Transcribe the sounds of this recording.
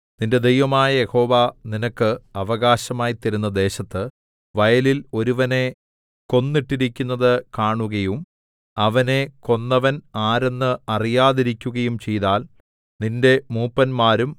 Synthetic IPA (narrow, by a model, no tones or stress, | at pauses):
ninde̞d̪ejʋɐmaːjɐje̞ho̞ːʋaninɐkːɨɐʋɐɣaːɕɐmaːjit̪ːɐɾunːɐd̪e̞ːɕɐt̪ːɨ | ʋɐjɐlilo̞ɾuʋɐne̞ | ko̞nːiʈːiɾikʲːunːɐðɨkaːɳuɣɐjum | ɐʋɐne̞ko̞nːɐʋɐnaːɾe̞nːɨɐrijaːðiɾikʲːuɣɐjumt͡ɕe̞jðaːl | ninde̞muːpːɐnmaːɾum